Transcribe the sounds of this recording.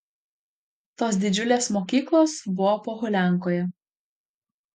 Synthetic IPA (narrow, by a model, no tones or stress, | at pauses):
t̪oːsd̪ʲɪd͡ʒʲʊlʲeːsmoːkʲiːklˠoːsbʊʋɔpoːɣʊlʲæˑŋˑkoːjɛ